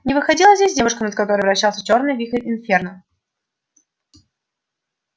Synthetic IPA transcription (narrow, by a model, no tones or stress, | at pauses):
nʲɪvɨxɐdʲilˠəzʲdʲesʲdʲevʊʂkənət̪̚kɐt̪o̞ɾɨjvɾɐɕːalˠsʲə̥t͡ɕo̞rnɨjvʲixəɪnfʲernə